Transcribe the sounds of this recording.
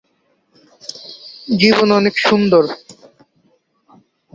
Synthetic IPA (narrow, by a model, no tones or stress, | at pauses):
d͡ʑibonɔnekʃund̪oɾ